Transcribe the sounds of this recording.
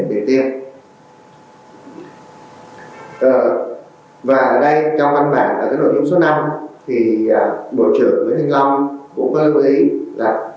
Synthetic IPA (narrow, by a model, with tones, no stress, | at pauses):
nɗe˨˩t̪i˧əm | ʔəː˨˩ | vaː˨˩˨ɗə˧jt͡ɕɔ˧wŋ͡mva˧nɓa̰ː˧˩nʔaː˨˩kaː˨˦˥jɗo̰˧˨˩t͡ɕu˧˦ŋ͡ms̬o˨˦˥na˧mt̪ʰi˨˩˨ɓo̰˧˨t͡ɕɨ̰˧˨˩əŋvəː˨˦t̪ʰï˧ŋ̟la˧wŋ͡mkʊ̰˧˥ŋ͡mkɔ˨˦lu˧ʔi˨˦laː˨˩